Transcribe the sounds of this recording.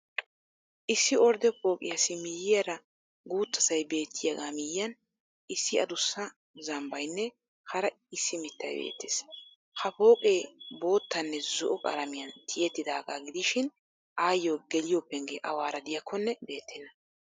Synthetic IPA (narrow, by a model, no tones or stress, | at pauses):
ʔɪsːɪɔɾd̪ɛpo̞ːkʼɪ̰jɐsɪmɪjɪjɐɾɐ | ɡuːt̪ːɐsɐjbe̞ːt̪ʰːɪjɐɡaːmɪjɪjɐn | ʔɪsːɪɐd̪ʊsːɐ | zɐmbɐjnːɛ | hɐɾɐ | ɪsːɪmɪt̪ːɐ̰jbḛːt̪ːɪs | hɐpo̞ːkʼeːbo̞ːt̪ːɐnːɛzʊʔɔkʼɐ̰ɾɐmɪjɐnt̪ʰɪjɛt̪ːɪd̪aːɡa̰ːɡɪd̪ɪʃɪn | ʔaːjːɔɡɛlɪjɔpːɛŋɡeːʔɐwaːɾɐd̪ɪjɐkʰːɔnːɛbe̞ːt̪ʰːɪnːɐ